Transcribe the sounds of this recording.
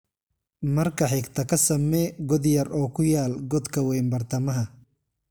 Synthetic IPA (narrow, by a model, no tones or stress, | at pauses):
mɐrkʰɐħɪɡt̪ʰɐkʰɐsɐmɛːɡɔd̪jɐrɔːkʰʊjaːlɡɔd̪kʰɐwɛjmbɐrt̪ʰɐmɐɦɐ